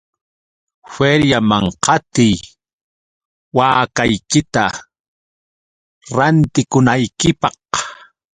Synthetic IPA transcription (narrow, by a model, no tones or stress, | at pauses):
feɾjamaŋqɑt̪ɪj | waːkajkɪt̪a | ɾant̪ɪkʊnajkɪpɑq